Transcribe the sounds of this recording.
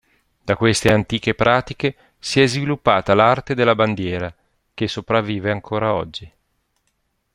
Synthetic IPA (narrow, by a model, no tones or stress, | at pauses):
d̪̥akwest̪eant̪iːkepɾʔaːt̪ike | siɛzvilupːaːt̪alart̪ed̪elːaband̪jɛːɾa | k̟esːopɾavːiːveaŋkʰoːɾaɔ̰d͡ʒːi